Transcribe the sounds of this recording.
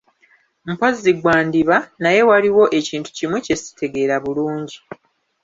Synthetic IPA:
m̩poziɡwaːndiβanaje̞waɾiwo̞ʔe̞ciːntu̥cimwece̞si̥tʰe̞ɡe̞ːɾaβuluːɲɟi

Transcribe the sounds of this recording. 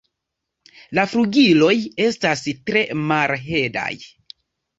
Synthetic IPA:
lafɾuɡilo̞je̞stastɾe̞malɦe̞da̰j

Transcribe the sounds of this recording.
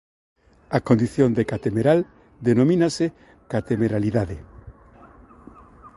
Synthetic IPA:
akond̪iθjond̪ekat̪emeɾal | d̪enomĩnase | kat̪emeɾaliðaðɪ

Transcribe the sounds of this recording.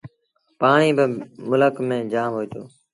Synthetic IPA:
paːɳiːbɪmʊləkmẽːd͡ʒaːmɦoːd͡ʒoː

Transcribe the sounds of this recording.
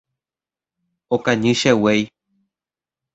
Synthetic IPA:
okãɲɨ̃ʃewej

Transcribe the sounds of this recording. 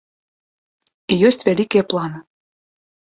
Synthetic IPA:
ijøsʲt̪ʲvælʲikeplˠɑnɤ

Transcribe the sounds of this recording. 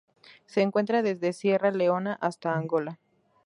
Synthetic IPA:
se̞ːŋkwe̞nt̪ɾaðe̞zðe̞sje̞rale̞o̞naʔast̪aːŋɡo̞la

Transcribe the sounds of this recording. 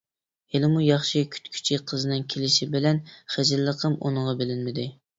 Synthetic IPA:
helɪmujɑχʃikʲʰy̥t̪kʲʰy̥t͡ʃʰiqʰəzɨnɨŋkʲʰelɪʃibɪlɛnχæd͡ʒɪlːəqʰəmʔo̰nəʁɑbɪlɪnmɪd̪ɪ

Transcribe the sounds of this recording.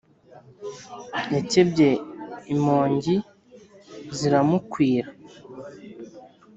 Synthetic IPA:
jacebɟe̞imoːɲɟi | ziɾamukwiːɾa

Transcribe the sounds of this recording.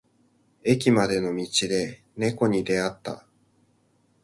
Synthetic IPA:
e̞kʲimad̪e̞no̞mʲit͡ɕid̪e̞ | ne̞ko̞ɲ̟id̪e̞at̪ːa̰

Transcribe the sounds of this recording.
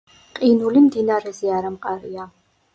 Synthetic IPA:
qʼinulimd̪iːnaːɾɛziaːɾɐmqʼɐɾijaː

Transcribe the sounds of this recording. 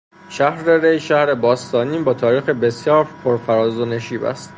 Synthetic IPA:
ʃæhɾeɾejʃæhɾe̞bɒːst̪ɒːniːbɒːt̪ʰɒːɾiːxebe̞sjɒːɾpʰoɾfæɾɒːzoneʃiːbæ̰st̪

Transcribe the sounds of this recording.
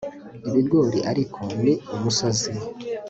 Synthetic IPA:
iβiɾɡoːɾiʔaɾikʰoneumusazi

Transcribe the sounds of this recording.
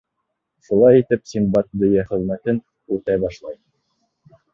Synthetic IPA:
ʃulˠɑjit̪ɘp̚sʲimbɑt̪̚d̪ɵ̆jæχɘ̆ðmæt̪ɘn | ʉt̪æjbɑʃlˠɑj

